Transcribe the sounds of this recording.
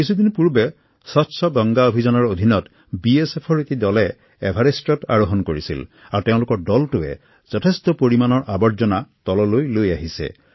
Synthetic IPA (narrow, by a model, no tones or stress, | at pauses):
kisud̪inpuɹbɛ | sɔtsɔɡɔŋɡaobʱizɔnɔɹod̪ʱinɔt | biesepʰɔɹetidɔlɛː | bʱaɹestɔta̰ɹoɦɔnkoɹisḭl | aɹteʊ̃lʊkɔɹdɔltʊɛ̰ | z̥ɔtʰestɔpoɹimanɔɹʔabɔɹzɔnatɔlɔlojlojaɦisɛ̰